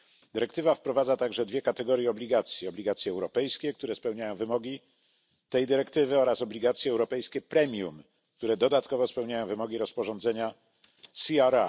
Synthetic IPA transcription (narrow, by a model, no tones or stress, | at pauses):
d̪ɘɾɛkt̪ɘvafpɾɔvad̪zat̪aɡʐɛd̪vʲjɛkat̪ɛɡɔɾjɛɔblʲiɡat̪sʲjɛɔblʲiɡat̪sʲjɛɛwɾɔpɛjskʲɛk̚t̪uɾɛspɛwɲajɔ̃w̃vɘmɔɡʲi | t̪ɛjd̪ɘɾɛkt̪ɘvɘɔɾasɔblʲiɡat̪sʲjɛːwɾɔpɛjskʲɛpɾɛmʲjum | kt̪uɾɛd̪ɔd̪at̪kɔvɔspɛwɲajɔ̃w̃vɘmɔɡʲiɾɔspɔʐɔnd̪zɛɲa | siaɾa